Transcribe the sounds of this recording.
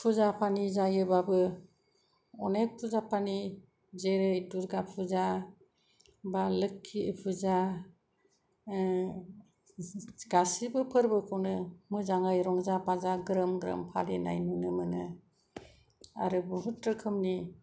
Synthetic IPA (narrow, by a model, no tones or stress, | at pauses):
pʰuzapʰanizajɯbabɯ | ɔnek̚pʰuzapʰani | zeɾɯjduɾɡapʰuza | balɯkʰːipʰuza | ɡasibɯpʰɯɾbɯkʰɯwnɯmɯzaŋajɾɔŋzapazaɡɾɯmɡɾɯ̰mpʰa̰lina̰jnɯnɯmɯnɯ | a̰ɾɯbuɦutɾɯkʰɯmni